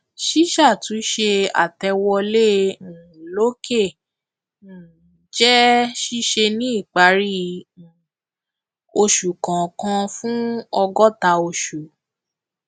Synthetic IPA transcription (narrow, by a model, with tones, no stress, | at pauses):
ʃi˦ʃa˦˨tũ˨˦ʃe˧a̰˨tɛ˧wɔ˧lẽ˦˨ | lo˦ke˦˨ | n̩˨˦ | d͡ʒɛ˦ʃi˦ʃe˧nĩ˦i˦˨k͡pa˨˦ɾi˦˨ | o˧ʃu˨kã˨kã˧fũ˦ɔ˧ɡɔ˦ta˧o˧ʃu˨